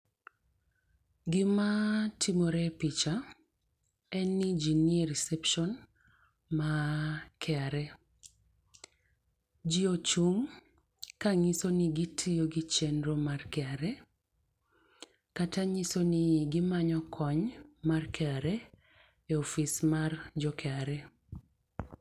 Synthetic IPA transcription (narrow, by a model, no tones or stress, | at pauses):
ɡɪmatʰimoɾɛpit͡ʃa | ɛnːid͡ʒinieɾisɛpʃɔn | makɛaɾɛ | d͡ʒiot͡ʃuŋ | kaŋisoniɡitʰioɡit͡ʃendɾomarkɛaɾɛ | kataŋisonɪɡɪmaɲɔkʰɔɲmarkɛaɾɛ | eɔfismard͡ʒɔkʰɛaɾɛ